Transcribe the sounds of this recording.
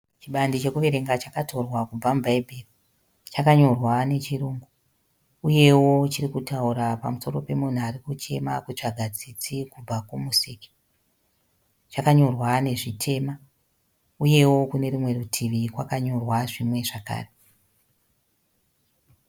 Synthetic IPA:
t͡ʃiɓandit͡ʃe̞kuʋe̞ɾe̞ŋɡat͡ʃakato̞rwakub͡vambʱaibʱeri | t͡ʃakaɲo̞rwane̞t͡ʃiruːŋɡu | uje̞wo̞t͡ʃirikutauɾapa̰muso̞ɾo̞pe̞mun̤uaɾikut͡ʃe̞makut͡ʂaɡʱad͡zit͡sikub͡vakumusiki̥ | t͡ʃakaɲo̞rwane̞ʐitʰe̞ːma | uje̞wo̞kune̞rimwe̞rutʰiʋikwa̰kaɲo̞rwaʐimwe̞ʐaka̰ːre

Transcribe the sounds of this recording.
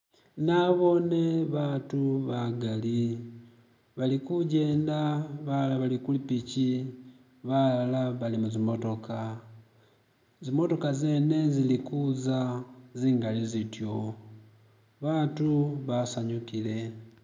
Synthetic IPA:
naβo̞ne̞βaːtuβaɡali | βalikuɟe̞ːndaβalaβalikulipici | βallaβalimuzimo̞to̞ka | zimo̞to̞kazeːne̞zilikuzaziːŋɡalizitjo̞ | βatuβasaɲukile̞

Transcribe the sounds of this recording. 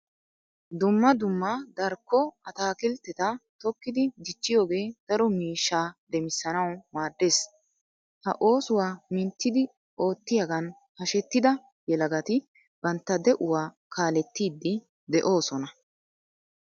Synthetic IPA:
d̪ʊmːɐd̪ʊmːɐd̪ɐɾkːɔɐt̪aːkɪlt̪ːɛt̪ɐt̪ɔkːɪd̪ɪd̪ɪt͡ʃːɪjo̞ːɡe̞ːd̪̥ɐɾɔmiːʃːaːd̪ɛmɪsːɐnɐwmaːd̪ːe̞ːs | hɐ̰ʔo̞ːsʊwaːmɪnt̪ːɪd̪ɪ | ʔo̞ːt̪ːɪjɐɡɐn | hɐʃɛt̪ːɪd̪ɐ | jɛlɐɡɐt̪ɪ | b̥ɐnt̪ːɐd̪ɛʔʊwaː | kʰaːlɛt̪ːiːd̪ːɪ | d̪ɛʔo̞ːsɔnɐ

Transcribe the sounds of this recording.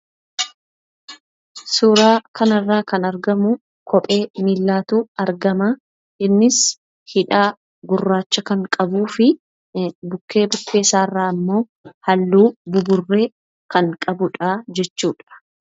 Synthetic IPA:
suːɾaːkɐnɐrːaːkɐnɐɾɡɐmʊ | kʰɔpʼe̞ːmiːlːaːt̪uɐɾɡɐmɐ | ʔɪnːɪs | hɪᶑaː | ɡʊrːaːt͡ʃːɐkɐŋkʼɐbuːfɪ | bʊkːe̞ːbʊkʰːe̞ːsaːrːaːɐmːo̞ː | hɐlːuːbʊbʊrːe̞ː | kɐŋkʼɐbʊᶑad͡ʒɛt͡ʃːuːᶑɐ̥

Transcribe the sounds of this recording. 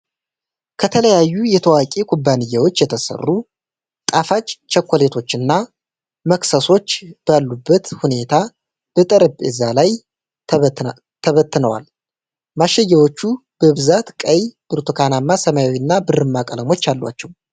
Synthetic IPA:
kʰət̪ʰələjajːujɛt̪ʰəwakʼekʰubːanɨjːawo̞t͡ʃːjɛt̪ʰəsə̰rːu | t̪ʼafat͡ʃʼt͡ʃːɛkʰʷːole̞t̪ʰo̞t͡ʃːɨnːa | məksəso̞t͡ʃːb̥alːubːət̪hune̞t̪ʰa | b̥ət̪ʼəɾɨbʼɛ̰zalaj | t̪ʰəβət̪ːɨnəwa̰l | maʃːɛjːawo̞t͡ʃːub̥əβɨzat̪kʼəjb̥ɨɾt̪ʰukʰanamːasəmajawiɨnːabɨrɨmːakʼələmo̞t͡ʃːalːwa̰t͡ʃːɛw

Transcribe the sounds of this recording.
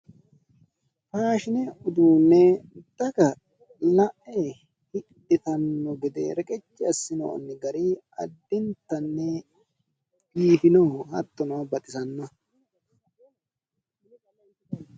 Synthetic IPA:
faːʃɪnɛʊd̪uːnːɛd̪̥ɐɡɐ | lɐʔɛ | hɪᶑɪt̪ɐnːɔɡɛd̪ḛɾɛkʼɛt͡ʃːɪɐsːɪno̰ɐ̰nːɪɡɐɾi | ɐ̰d̪ːɪnt̪ːɐnːɛ | b̥iːfɪnoːhɐt̪ːɔnɐbɐt̪ʼɪsɐnːɐ

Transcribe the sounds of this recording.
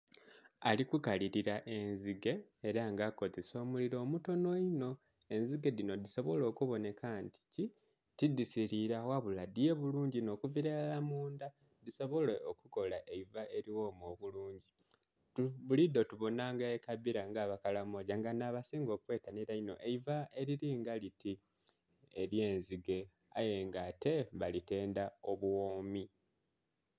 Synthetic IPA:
alikukaliɾiɾaʔe̞nziɡe̞ːɾaŋɡako̞zeso̞ːmuliɾo̞ːmuto̞no̞ino̞ | e̞nziɡedino̞diso̞βo̞lo̞ːkuβo̞ne̞kanti̥ci | tidisiɾiɾawaβuladije̞ːβuluːɲɟino̞ːkuviɾealamuːnd̪a | d̪iso̞βo̞leokuko̞laʔeivaʔe̞ɾiwo̞ːmoβuluːɲɟi | tuβulid̪o̞tuβo̞naːŋɡaekaβiɾaŋɡaːβakalamo̞ːɟaŋɡanaːβasiːŋɡo̞ːkwe̞ːtaniɾaino̞̰ʔeivae̞ɾiɾiːŋɡaliti | eɾje̞ːnziɡe̞ | a̰je̞ŋɡate̞βalite̞ːndao̞βuwoːmi

